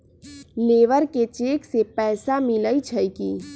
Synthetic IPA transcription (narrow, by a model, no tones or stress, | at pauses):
leːʋəɾket͡ʃeːksepɛːsamɪləit͡ʃʰəjki